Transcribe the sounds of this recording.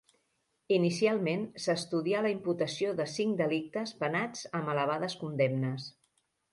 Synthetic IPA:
inisialˠmensəst̪uðialəimput̪əsioðəsiŋd̪əlik̚t̪əspənad͡zəmələβ̞aðəskund̪ɛmnəs

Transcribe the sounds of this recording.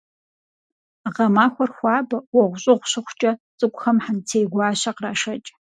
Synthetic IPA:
ʁɐmaːxʷɔrxʷɑːbɐwɔʁʷʊɕʼɪʁʷʊɕɨχʷt͡ʃʼɐt͡sʼɨkʷʼʊxɐmħantʰeːɡʷɑːɕɐqraːʃɐt͡ʃʼ

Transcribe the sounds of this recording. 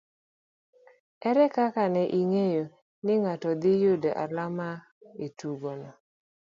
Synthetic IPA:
ɛɾɛkakanɛʔiŋejo | nɪŋatɔd̪ɪjʊdeʔa̰lama | etuɡonɔ

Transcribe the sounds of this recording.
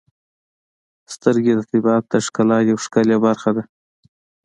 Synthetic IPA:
st̪əɾɡed̪ət̪ɪbɑt̪̚d̪aʂkalɑjawʂkaljabaɾxad̪a

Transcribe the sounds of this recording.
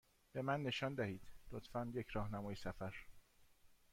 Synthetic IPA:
b̥e̞mænːe̞ʃɒːnd̪æhiːd̪̥lot̪fænjecʰɾɒːhnæmɒːjesæfæɾ

